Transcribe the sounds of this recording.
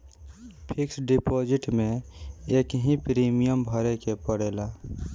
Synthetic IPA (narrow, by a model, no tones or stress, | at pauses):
pʰɪksɖipod͡ʒɪʈmẽeːkɦĩpɾiːmijəmbʱəɾekepəɽeːla